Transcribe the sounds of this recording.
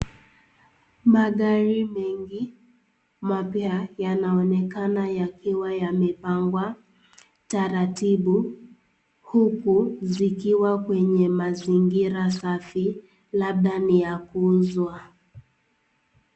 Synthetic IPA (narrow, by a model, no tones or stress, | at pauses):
maɠaɾimɛŋɡi | mapjajanaɔnɛkanajakiwajamɛpaŋɡwa | taɾatiɓu | hukuzikiwakwɛɲɛmaziŋɡiɾasafi | laɓ̚ɗanijakuzwa